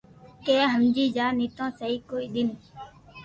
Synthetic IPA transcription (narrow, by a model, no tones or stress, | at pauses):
keːɦəmd͡ʒiːd͡ʒaːniːt̪ãːsəɦiːkoːiːɗ̪ɪn